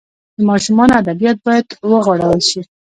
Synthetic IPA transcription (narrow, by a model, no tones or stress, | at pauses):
d̪əmɑʃumɑnoad̪abijɑt̪̚bɑjad̪wəɣwaɽəwəlʃi